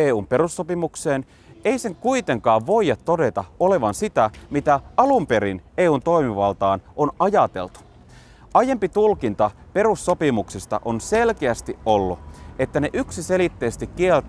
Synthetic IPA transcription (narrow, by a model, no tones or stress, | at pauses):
eːuːmpe̞ɾusːopimukse̞ːn | e̞ise̞ŋkuit̪e̞ŋkɑːʋʋo̞ijːɑt̪ːo̞de̞t̪ɑo̞le̞ʋɑnsit̪æmit̪æɑlumpe̞ɾineːuːnt̪o̞imiʋɑlt̪ɑːnonɑjɑt̪e̞̰lt̪u̥ | ɑje̞mpit̪ulkint̪ɑpe̞rusːo̞pimuksist̪ɑ̰ʔo̞nse̞lkeæst̪iʔo̞lːue̞t̪ːæneʔyksise̞lit̪ːe̞ːst̪ikːielt̪